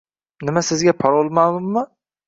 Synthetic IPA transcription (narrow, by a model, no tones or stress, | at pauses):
nɪmasɪzɡʲapʰaɾolˠmalˠʊmːʊ